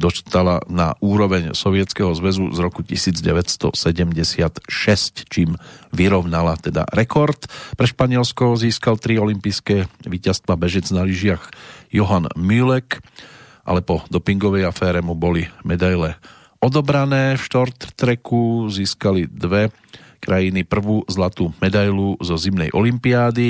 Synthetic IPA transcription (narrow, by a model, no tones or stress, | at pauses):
d̪ɔst̪ala̰na̰ʔuːɾɔʋɛɲsɔʋɪɛt͡skɛɦɔzʋɛzṵzɾɔkucisiːd͡zɟɛʋɛcst̪ɔ̰sɛɟɛmɟɛsɪat̪ʃɛsct͡ʃiːmʋiɾɔʊnalat̪ɛd̪a̰ɾɛkɔɾt̪pɾɛʃpaɲɪɛlskɔziːskalt̪ɾiɔlimpijskɛːʋiːcast̪ʋabɛʒɛd͡znaliʒɪaxjɔɦanmylɛk | ʔa̰lɛpɔd̪ɔpiŋɡɔʋɛjafɛːɾɛmubɔlimɛd̪ajlɛ | ɔd̪ɔbɾanɛːfʃt̪ɔɾt̪t̪ɾɛkuziːskalid̪ʋɛ | kɾajinipr̩ʋuːzlat̪uːmɛd̪ajluzɔzimnɛjʔɔlimpiaːd̪i